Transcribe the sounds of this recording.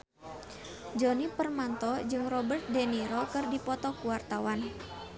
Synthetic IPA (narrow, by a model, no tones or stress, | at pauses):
d͡ʒɔnipərmant̪ɔd͡ʒɨŋrɔbərt̪̚deniɾɔkɨrdipɔt̪ɔkuwart̪awan